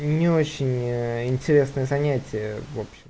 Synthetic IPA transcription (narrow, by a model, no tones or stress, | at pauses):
nʲɪo̞t͡ɕːɪnʲɪnʲtʲɪɾʲe̞snəjəzɐnʲætʲɪjəvo̞pɕɪm